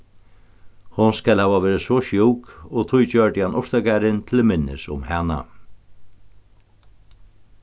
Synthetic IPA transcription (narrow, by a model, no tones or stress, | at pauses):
hʊnskɛlhæːʋaʋɛːɾɪsvɔʃjɔwkɔɣt̪ʰʊjt͡ɕœɹʈɪhanʔɔʂt̪akaɾɪnt̪ʰɪlmɪnːɪ̰sʊ̰mhɛːna̰